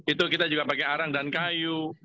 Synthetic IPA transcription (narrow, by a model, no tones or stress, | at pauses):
it̪ukit̪ad͡ʒuɡapakeaɾaŋdankaju